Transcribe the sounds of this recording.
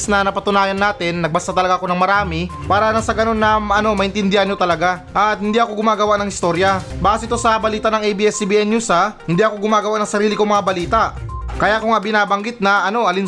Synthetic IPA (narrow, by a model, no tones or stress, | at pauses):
snɐnɐpɐt̪ʊnaːjɐnːaːt̪ɪnːɐɡ̚bɐst̪ɐt̪ɐlɐɡaɐko̞nɐŋmɐɾaːmɪpaːɾɐnasɐɡɐno̞nːɐmʔɐno̞mɐʔɪnt̪ɪnd̪ɪhɐnot̪ɐlɐɡaʔɐt̪̚hɪnd̪iʔɐko̞ɡʊmaːɡɐwaʔnɐŋɪst̪o̞ɾjɐbaːsɪt̪o̞sɐbɐliːt̪ɐʔnɐŋʔɛjbiʔɛsibiʔɛnjusɐhɪnd̪iʔɐko̞ɡʊmaːɡɐwaʔnɐŋsɐɾiːlɪkoŋmɐŋabɐliːt̪aʔkɐjaʔkʊŋabɪnaːbɐŋɡɪt̪̚nɐʔɐno̞ɐlɪn